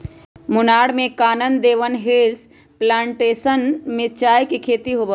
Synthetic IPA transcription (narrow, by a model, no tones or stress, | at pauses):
mʊnaːɽmẽkaːnənd̪eːʋənɦeːs | plãːɳʈeːsənmẽt͡ʃaːjkekʰeːt̪iɦobə